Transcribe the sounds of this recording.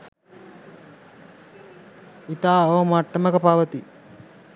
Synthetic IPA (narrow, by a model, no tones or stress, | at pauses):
it̪aːoːmaʈːɐməkəpaʋɐt̪i